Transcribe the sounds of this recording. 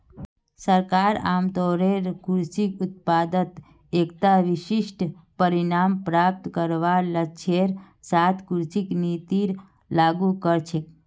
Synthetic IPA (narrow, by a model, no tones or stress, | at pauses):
səɾkaɾa̰mt̪ɔɾeɾkuɾsikut̪̚pad̪ət̪ | ekt̪aʋiʃiʃʈpəɾinampɾap̚t̪kəɾʋalət͡ʃʰeɾ | sat̪ʰkuɾsiknit̪iɾ | laɡukəɾt͡ʃʰe